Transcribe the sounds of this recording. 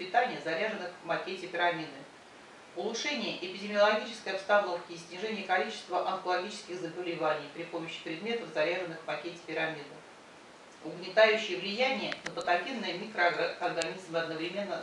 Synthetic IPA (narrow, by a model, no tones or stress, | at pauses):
pʲɪt̪anʲɪjəzɐɾʲaʐɨnːɨxvmɐkʲetʲɪpʲɪɾɐmʲid̪ɨ | ʊlˠʊʂɛnʲɪjəʔɪpʲɪdʲɪmʲɪəlˠɐɡʲit͡ɕɪ̥skəjɐpst̪ano̞fkʲɪːsʲnʲɪʐɛnʲɪjəkɐlʲit͡ɕɪ̥st̪vəʔɐnkəlˠɐɡʲit͡ɕɪ̥skʲɪxzəbəlʲɪvanʲɪjpɾʲɪpoməɕːɪ̥pɾʲɪd̪mʲe̞t̪əfzɐɾʲaʐɨnːɨxvmɐkʲetʲɪ̥pʲɪɾamʲid̪ɨ | ʊɡnʲɪt̪ajʉɕːɪjəvlʲɪjænʲɪjənəpət̪ɐɡʲinːəjəmʲikɾəɐrɡɐnʲizmɨɐd̪nəvɾʲɪmʲe̞nːə